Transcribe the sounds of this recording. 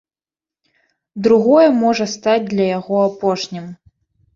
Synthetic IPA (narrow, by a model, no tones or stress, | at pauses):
d̪ɾuɣɔjɐmɔʐɐst̪ad͡zʲd̪lʲɐjaɣɔapɔʂnʲim